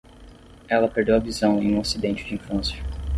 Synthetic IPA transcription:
ɛlɐpeɾd̪ewɐvizɐ̃w̃ẽj̃ũasid̪ẽnt͡ʃɪd͡ʒiĩfɐ̃sjɐ

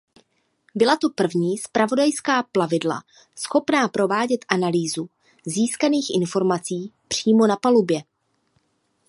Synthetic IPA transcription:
bɪlat̪o̞pr̩vɲiːspɾʔavo̞dajskaːplavɪdla̰ | sxo̞pnaːpɾo̞vaːɟɛt̪ʔanaliːzu | ziːskaniːxʔɪ̰nfo̞ɾmat͡siːpr̝̥iːmo̞napalubjɛ

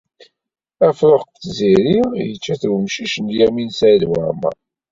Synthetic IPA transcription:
æfɾoχθziɾijət͡ʃːæθɾəmʃiʃənd̪jæminsælwəɾmæ̰

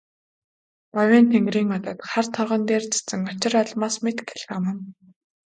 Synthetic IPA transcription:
pɔwʲeːnt̪ʰeŋɡriːŋɔt̪ə̆ːt̪χart̪ʰɔʁə̆nt̪eːrt͡sḁt͡sɘ̆ŋɔt͡ɕɪ̆raɮmaːsmet̪kʰːe̥ɮə̆mə̆n

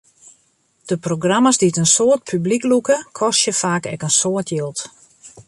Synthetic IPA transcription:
d̥əproɡraməsdiətənsoət̚pʰybliklukəkʰɔstjəfaːkɛ̰kənsoːətjɪlˠt

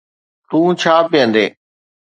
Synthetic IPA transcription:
t̪ũːt͡ʃʰaːpɪjə̃nd̪eː

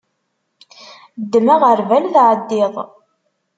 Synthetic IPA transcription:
d̪ːmaʁəɾvælðʕəd̪ːɪðˤ

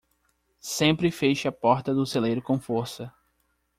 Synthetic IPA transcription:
sẽmpɾɪfeʃɐpɔɾt̪ɐd̪ʊselejɾʊkõfoɾsɐ

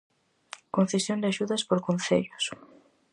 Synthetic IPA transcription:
kon̟θesjond̪ɪaʃuðɐspoɾkonθḛʎʊs

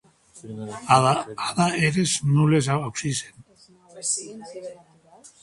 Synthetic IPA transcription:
aðaeɾesnules̬aaksisen

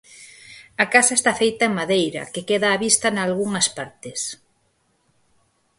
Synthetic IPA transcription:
ɐkasaest̪afejt̪ɐeŋmaðejɾɐ̰kekeðaːβist̪ɐnalɣuŋɐspaɾt̪ɪs

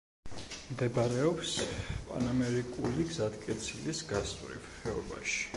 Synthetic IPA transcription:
md̪ɛbɾɛɔpspʼa̰namɛɾikʼuliɡzat̪kʼɛt̪sʰilisɡast̪ʼvɾḭvhɛɔba̰ʃi̥

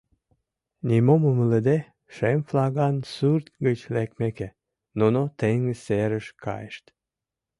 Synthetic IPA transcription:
nʲimoməmələd̪e | ʃemflɑɣɑnsurt̪ɣət͡ɕlekmeke | nonot̪eŋəseɾəʃkɑ̰jeʃt̪

